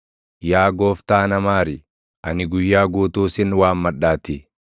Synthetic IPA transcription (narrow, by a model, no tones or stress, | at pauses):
jaːɡoːft̪aːnɐmaːɾɪ | ʔɐnɪɡʊjːaːɡuːt̪uːsɪnwaːmːɐɗaːt̪ɪ